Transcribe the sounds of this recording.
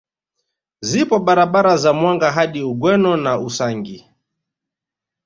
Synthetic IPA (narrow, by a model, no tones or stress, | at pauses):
zipɔɓaɾaɓaɾazamwaŋɡaɦaɗiuɡwɛnɔnausaŋɡi